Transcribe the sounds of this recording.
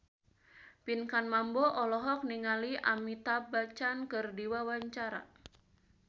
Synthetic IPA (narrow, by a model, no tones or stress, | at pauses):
pinkanmambɔʔɔlɔɦɔk̚niŋaliʔa̰mit̪abat͡ʃankɨrdiwawaɲt͡ʃaɾa̰